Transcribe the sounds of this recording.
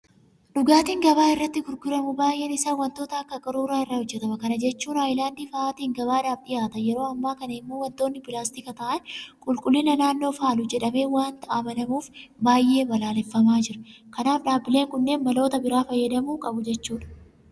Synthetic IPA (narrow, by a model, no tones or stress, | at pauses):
ᶑʊɡaːt̪iːŋɡɐbaːɪrːɐt̪ːɪɡʊɾɡʊɾɐmʊbaːjʔeːnɪsaːwɐnt̪o̞ːt̪ɐɐkːɐkʼɐɾuːɾaːɪrːɐhɔd͡ʒːɛt̪ɐmɐkɐnɐd͡ʒɛt͡ʃːuːnaːjlaːnd̪iːfɐaːt̪iːŋɡɐβaːᶑaːfᶑɪjaːt̪ɐjɛɾo̞ːɐmːaːkɐnɐɪmːuːwɐnt̪o̞ːnːɪpɪlaːst̪ɪkɐt̪ɐʔɐnkʼʊlkʼʊlːɪnɐnaːnːoːfaːlʊd͡ʒɛᶑɐme̞ːwaːnt̪ɐʔaːbɐnɐmuːfbaːjʔːe̞ːbɐlaːlɛfːɐmaːd͡ʒɪɾɐkɐnaːfᶑaːbːɪle̞ːŋkʊnːe̞ːnbɐlo̞ːt̪ɐbɪɾaːfɐjːɐd̪ɐmuːkʼɐbʊd͡ʒɛt͡ʃːuːᶑɐ̥